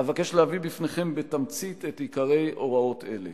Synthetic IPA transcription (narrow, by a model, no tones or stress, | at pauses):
avakeʃlehavibifne̞χe̞mbetamt͡sit̪etikaʁe̞jʔo̞ʁao̞tʰe̞̰le